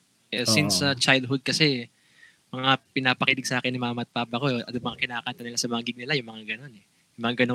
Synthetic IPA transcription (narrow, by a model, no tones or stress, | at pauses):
ɛsinsːɐt͡ʃajld̪̚hʊd̪̚kɐsɛ | mɐŋapɪnaːpɐkiːd̪ɪɡ̚sɐʔaːkɛnːɪmaːmɐt̪̚paːpɐko̞ɛʔɐʊmɐŋakɪnaːkaːnt̪ɐnɪlasɐmɐŋaɡɪɡ̚nɪlajʊŋmɐŋaɡɐno̞nɛ | jjʊŋmɐŋaɡɐno